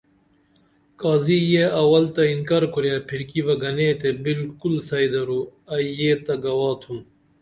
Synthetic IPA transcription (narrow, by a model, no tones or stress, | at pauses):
kaːzijeɐwɐlt̪ɐinkaɾkuɾjaːpʰiɾkibɐɡɐneːt̪ebilkulsɐid̪ɐɾuɐjeːt̪ɐɡɐwaːt̪ʰũn